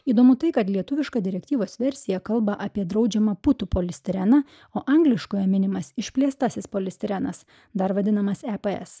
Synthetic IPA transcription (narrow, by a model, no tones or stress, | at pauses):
iːd̪oːmʊt̪ɐɪkɐt̪lʲiɛt̪ʊʋʲɪʃkɑːd̪ʲɪɾʲɛkt̪ʲiːʋoːsʋʲɛɾʲsʲɪjɛkɐlˠbɐʔɐpʲiɛd̪ɾɐʊd͡ʒʲɛmɑpʊt̪upoːlʲɪsʲt̪ʲɪɾʲænɐ | oːʔɐŋɡlʲɪʃkoːjɛmʲɪnʲɪmɐsɪʃʲpʲlʲeːst̪ɑsʲɪspoːlʲɪst̪ʲɪɾʲænɐs | d̪ɐɾʋɐd̪ʲɪnɐmɐsɛpeɛ̰s